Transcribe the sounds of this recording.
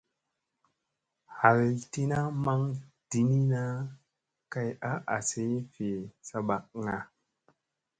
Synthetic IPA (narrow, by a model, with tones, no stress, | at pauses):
ha˨lti˦na˦ma˦ŋd̥i˨ni˦na˦ | ka˦ja˦ʔa̰˨se˨˦fe˨sa˧ba˨k̚ŋa˨